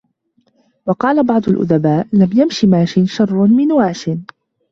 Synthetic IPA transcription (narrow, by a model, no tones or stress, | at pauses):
wɑqɑːlabɑʕd̪ˤʊlʔʊ̰ðabaːʔlamjamʃimaːʃɪnʃɑrˤːnmɪnwaːʃɪn